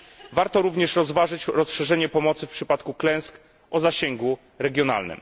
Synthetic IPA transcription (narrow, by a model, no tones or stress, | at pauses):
vaɾt̪ɔɾuvɲɛʂɾɔzvaʐɘt͡ɕɾɔsʂɛʐɛɲɛpɔmɔt̪sɘfpʂɘpat̪kuklɛ̃w̃sk | ʔɔzaɕɛŋɡu | ɾɛɡʲjɔna̰lnɘ̰m